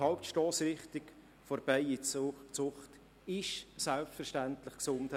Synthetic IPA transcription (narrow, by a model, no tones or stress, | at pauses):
hɑwptʃtoːsɾɪχt̪ɪk | foɾbɛɪit͡sʊχt | ɪʃsɛlpfɛɾʃtænt̪ləχksʊmt